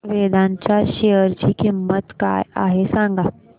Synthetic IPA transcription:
ʋed̪ãɲt͡ɕjaɕeəɾt͡ɕiːkimːət̪ka̰jaɦesãŋɡa

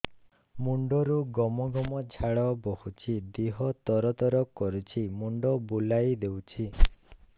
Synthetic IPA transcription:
muɳɖɔɾuɡɔmɔɡɔmɔd͡ʒʱaɭɔbohut͡ʃʰid̪eɦɔt̪ɔɾɔt̪ɔɾɔkɔɾut͡ʃʰimuɳɖɔbulajd̪ewt͡ʃʰi

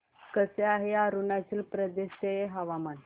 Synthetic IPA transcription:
kəseaɦeaɾunat͡ɕilpɾəd̪eɕt̪eeɦaʋaman

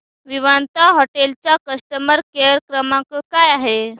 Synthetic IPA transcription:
ʋiʋant̪aɦoʈelt͡ɕjakəsʈ̪əməɾkeɾkɾəmãkəkajaɦe

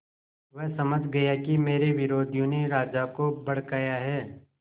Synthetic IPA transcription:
ʋɛɦsɐməd͡ʒʱɡɐjakimeːɾeʋɪɾoːd̪ʱjõneɾaːd͡ʒakobɐɽ̤kaːjaɦɛː

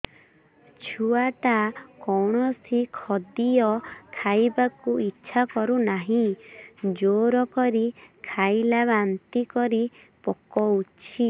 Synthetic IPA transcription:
t͡ʃʰuaʈakɔwɽ̃ɔsikʰɔd̪ijɔkʰajbakuitːʃʰakɔɾunaɦĩ | d͡ʒoɾɔkɔɾikʰajlaβant̪ikɔɾi | pɔkɔut͡ʃʰi

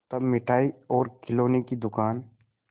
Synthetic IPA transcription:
t̪ɐbmɪʈʰaːiɔːɾkɪloːnekid̪ʊkaːn

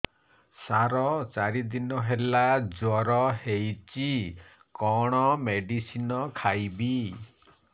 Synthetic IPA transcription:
saɾɔt͡ʃaɾid̪inɔɦelad͡ʒwɔɾɔhejt͡ʃi | kɔɽ̃ɔmeɖisinɔkʰajbi

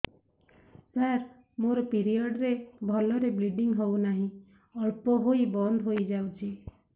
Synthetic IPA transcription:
saɾ | moɾɔpiɾiɔɖɾebʱɔlɔɾebliɖiŋɡɦɔwnaɦĩ | ɔɭpɔɦoibɔnd̪ɦojd͡ʒawt͡ʃʰi

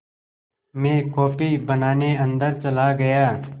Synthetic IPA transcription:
mẽːkɔːpibənaːneə̃nd̪əɾt͡ʃɐlaːɡɐjaː

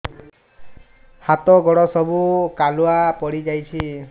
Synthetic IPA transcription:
hat̪ɔɡɔɽɔsɔbukaluapɔɽid͡ʒajt͡ʃʰi

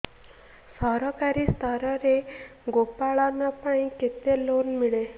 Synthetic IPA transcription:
səɾɔkaɾiːst̪ʰaɾəɾeɡopaɭanːapaɳ̃iket̪elonmiɭe

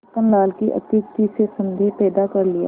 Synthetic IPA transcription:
ənlaːlkiʔɐ̰t̪iːkt̪isesɐ̃nd̪ʱepɛːd̪akɐɾlɪja̰

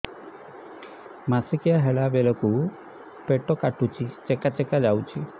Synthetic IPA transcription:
masikijaɦeɭabelɔku | peʈɔkaʈut͡ʃʰit͡ʃekat͡ʃekad͡ʒawt͡ʃʰi

